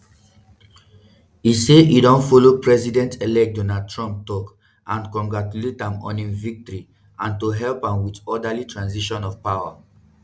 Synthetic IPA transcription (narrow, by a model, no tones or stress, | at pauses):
iseʔidɔ̃nfɔlopɹɛzidɛ̃ntʰelɛk̚dɔnad̚tʰɹɔ̃mp̚tɔk | ãnkɔ̃ŋɡɹatuletãmɔ̰̃nĩvik̚tɔɹi | ãntuɦɛlpãmwitɔdalitʰɹãnsiʃɔ̃nɔfpawa